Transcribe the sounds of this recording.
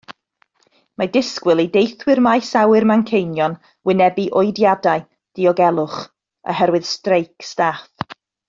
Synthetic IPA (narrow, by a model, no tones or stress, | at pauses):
madɪskwɪlˠidejθwɪrmajsawɨrmankʰejnjɔn | wɪnɛbiʔɔjdjadaj | d̥iɔɡɛlˠʊχ | ə̰ɦɛɾwɨð̥strejkʰstaːθ